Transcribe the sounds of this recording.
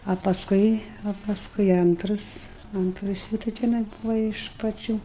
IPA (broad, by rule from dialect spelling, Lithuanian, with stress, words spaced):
ɐ pɐsˈkʊɪ ɐ pɐsˈkʊɪ ˈɐntrɐs ˈɐntrɐs juː tɐɪ tʲɛˈnɐɪ ˈbuːʋɐ ɪʃ pɐˈt͡ʃʲuː